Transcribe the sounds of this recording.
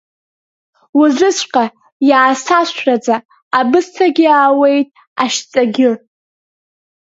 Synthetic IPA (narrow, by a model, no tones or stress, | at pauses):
wʊzʷɨsʷʼqʼa | jaːsaʃʷrad͡zaː | bɨstʰaɡʲɪaːwe̞jtʼ | aʃt͡sʼaɡʲɪr